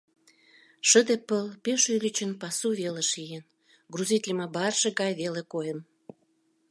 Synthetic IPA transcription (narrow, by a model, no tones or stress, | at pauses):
ʃəd̪epəlpeʃylʲit͡ɕənpɑsuβeleʃijen | ɡruzit̪ʲlʲimɑbɑrʃĕɣɑjβelekojən